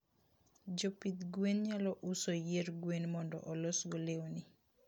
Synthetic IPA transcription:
d͡ʒopit̪ɡwenɲalɔʔusojeɾɡwenmɔndɔ̰ʔɔlɔsɡolewni

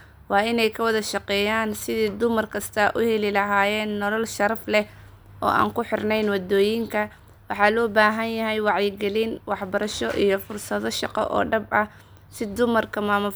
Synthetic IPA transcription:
wɑːɪnɛjkʰɐwɐðɐʃɑqɛːjaːnsɪðiːd̪ʊmɐrkʰɐst̪ʰɐʔʊhɛlɪlɐɦaːjɛːnːɔlɐlʃɐɾɐflɛ | ʔɔ̰ːʔa̰ːŋkʊħɪrnɛjnwɑd̪ɔːjɪŋkʰɐ | wɑħɑːlɔːbaːɦɐnjɐɦɛjwɑʕjɪɡɛlinwɑħbɐɾɐʃɔʔḭjɞfʊrsɐðɔʃɑqɔ̰ʔɔ̰ːɖɐbɐ | sɪd̪ʊmɐrkʰɐmaːmʊ

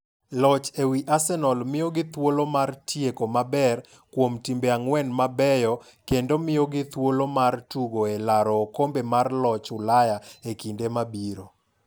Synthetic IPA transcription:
lɔt͡ʃewiʔasɛnɔlmɪoɡɪt̪wolomartjekomabɛr | kwomtimbeaŋwɛnmabɛjɔ | kendomɪjoɡɪt̪wolomartuɡoelaɾɔːkombemarlɔt͡ʃʊlajaekindemabiɾo

